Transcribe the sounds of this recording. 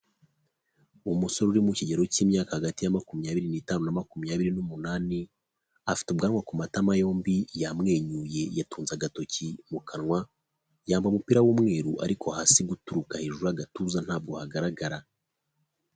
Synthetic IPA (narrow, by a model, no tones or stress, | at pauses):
umuso̞ɾuɾimuciɟeɾo̞ciːmɲaːkahaɡatijamakumjaːβiɾiniːtaːnunamakumjaβiɾinumunaːni | afi̥tubɡaːnwakumatamajo̞ːmbijamŋe̞ːɲuje̞jatuːnzaɡato̞cimukʰanwa | jaːmbamupiɾawuːmŋe̞ːɾuʔa̰ɾikʰohasiɡutuɾukaheʒuɾaɡatuːzan̥haːb̚ɡo̞haɡaɾaɡaɾa